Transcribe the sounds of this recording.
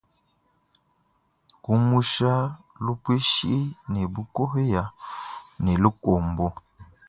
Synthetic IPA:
ku˦mu˦ʃa˦ | lu˦pwe˦ʃi˦ʔi˦nɛ˨bu˦ko˦hja˨ | nɛ˨lu˦ko˨mbɔ˦

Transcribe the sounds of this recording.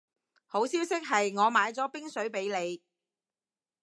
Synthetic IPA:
ho˨˥wsiː˥wsɪ˥k̚ɦɐ˨jŋɔː˨˧maː˨˧jt͡sɔː˨˥pɪ˥ŋsɵ˨˥ɥpe˨˥jle˨˧j

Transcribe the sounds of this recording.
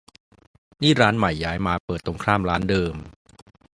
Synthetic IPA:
niː˥˩ɾaː˦˥nma˨˩jːaː˦˥jmaː˧pɤː˨˩t̪ːɾo˧ŋkʰɾaː˥˩mɾaː˦˥ndɤː˧m

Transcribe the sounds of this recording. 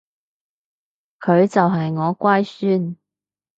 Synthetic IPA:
kʰɵ˨˧ɥt͡sɐ˨wɦɐ˨jŋɔː˨˧kʷaː˥jsyː˥n

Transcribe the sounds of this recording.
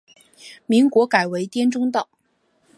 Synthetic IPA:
mi˧˥ŋkwɔ˧˥ka˨˩ɪwe˧˥ɪt̪jɛ˥nʈ͡ʂʊ˥ŋt̪ɑ˨˩˦

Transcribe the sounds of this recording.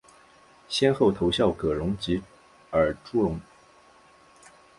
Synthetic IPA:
ɕjɛ˥nxo˥˩ʊt̪ʰo˧˥ʊɕjɑ˥˩ʊkɤ˨˩ɻʊ˧˥ŋt͡ɕi˧˥ | ə˞˨˩ʈ͡ʂu˥ɻʊ˧˥˦ŋ

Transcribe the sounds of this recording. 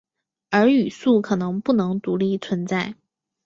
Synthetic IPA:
ə˞˧˥y˨˩su˥˩kʰɤ˨˩nɤ˧˥ŋpu˥˩nɤ˧˥ŋt̪u˧˥li˥˩t͡sʰwə˧˥nt͡sa˥˩ɪ

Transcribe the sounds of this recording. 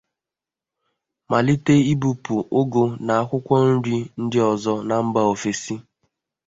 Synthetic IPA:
ma˨li˦te˦i˦bu˨pu˨ʔo˦ɡo˨na˨a˨kʷʊ˦kʷɔ˦n̩˦ɾi˦n̩˦dɪ˦ɔ˨zɔ˦na˨m̩˦ba˨o˨fe˨si˦

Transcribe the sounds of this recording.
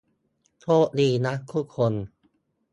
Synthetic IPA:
t̪ʰoː˦˥˩ʔdiː˧na˦˥ʔkʰːuː˥˩kʰo˧n

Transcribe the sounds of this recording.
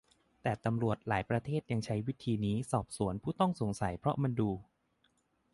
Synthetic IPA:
t̪ɛː˨˩t̪a˧mɾu˨˩ət̪̚laː˩˦jpɾa˧t̪ʰeː˥˩t̪̚ja˧ŋt͡ɕʰa˦˥jwi˦˥t̪ʰiː˧niː˦˥sɔː˨˩p̚su˨˩˦ənpʰuː˥˩t̪ɔ˥˩ŋso˩˦ŋsa˩˦jpʰɾɔ˦˥ʔma˧nduː˧

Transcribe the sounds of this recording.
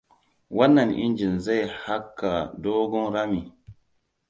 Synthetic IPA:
wa˦nːa˨nʔḭ˦nd͡ʒi˨nza˦jha˦kːa˨do˦ɡɔ˦ŋɾa˦mi˨

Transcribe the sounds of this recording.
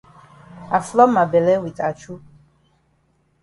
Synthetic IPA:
a˨flɔ˦ma˨bɛ˨lɛ˦wi˨tʼa˨t͡ʃʰu˦

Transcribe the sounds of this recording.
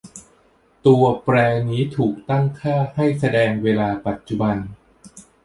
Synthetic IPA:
t̪u˧ɐpɾɛː˧niː˦˥t̪ʰuː˨˩k̚t̪a˥˩ŋkʰaː˥˩ha˥˩jsa˧dɛː˧ŋweː˧laː˧pa˨˩t̪̚t͡ɕu˨˩ba˧n

